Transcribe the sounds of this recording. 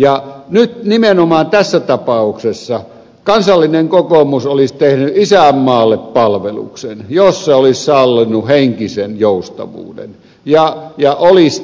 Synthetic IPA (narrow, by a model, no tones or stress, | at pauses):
jɑnyt̪nimenomɑːnt̪æsːæt̪ɑpɑˑuksesːɑ | kɑnsɑlːineŋkokomusolist̪ehnyʔisæˑmːɑːlːeppɑlʋelṵksenjosseolissɑlːinːuheŋkisenjoˑust̪ɑ̰ʋṵːdḛn | jɑjɑʔolis